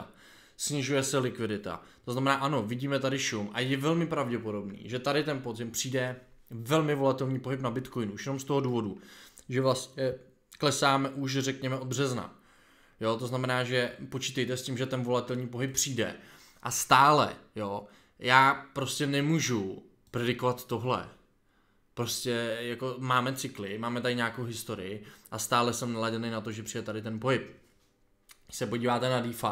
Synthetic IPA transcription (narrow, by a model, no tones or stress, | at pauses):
sɲɪʒujɛsɛlɪkvɪdɪt̪a̰t̪o̞znamɛnaːʔano̞vɪɟiːmɛt̪adɪʃumʔa̰jɛvɛlmɪpɾavɟɛpo̞do̞bnḭːʒɛt̪adɪt̪ɛnpo̞zɪmpr̝̥iːdɛvɛlmɪvo̞lat̪ɛlɲiːpo̞ɦɪpnabɪt̪ko̞jnʔuʃjɛnomst̪o̞ɦo̞duːvo̞duʒɛvlasɛ | klɛsaːmɛʔuʃ̬rɛkɲɛmɛʔobr̝ɛzna̰ | jo̞t̪o̞znamɛnaːʒɛpo̞t͡ʃiːt̪ɛjt̪ɛscʲɪmʒɛt̪ɛnvo̞lat̪ɛlɲiːp̬o̞ɦɪp̚ːr̝̥iːdɛ̰ | ʔast̪aːlɛ̰jo | jaːpɾo̞scɛnɛmuːʒu | pɾɛdɪko̞vat̪ːo̞ɦlɛ̰ | pɾo̞scɛjako̞maːmɛt͡sɪklɪmaːmɛt̪adɪɲaːkowɦɪst̪o̞ɾɪ̰ɪʔast̪aːlɛsɛmnalaɟɛnejnat̪o̞ʒɛpr̥iːdɛt̪adɪt̪ɛnpo̞ɦɪp | sɛpo̞ɟiːvaːt̪ɛnadiːfa